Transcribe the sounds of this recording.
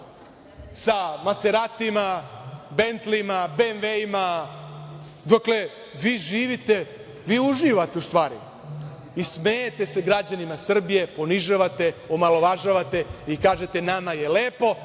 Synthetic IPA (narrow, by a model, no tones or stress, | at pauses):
samaseɾat̪imabe̞nt̪limabenʋeima | d̪okle̞ | ʋiːʒiːʋit̪e̞ | ʋiːuʒiʋat̪e̞ust̪ʋaːɾḭ | ismejet̪e̞se̞ɡɾad͡ʑanimasr̩bije̞po̞niʒaʋat̪e̞omalo̞ʋaʒaʋat̪e̞ikaːʒe̞t̪e̞namaje̞le̞ːpo̞